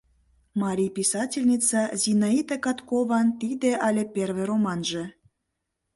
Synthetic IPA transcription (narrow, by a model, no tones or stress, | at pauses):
mɑɾʲijpisɑtʲilʲnʲit͡sɑzʲinɑit̪ekɑt̪koβɑnt̪id̪eʔɑlʲeperβeɾomɑnʒĕ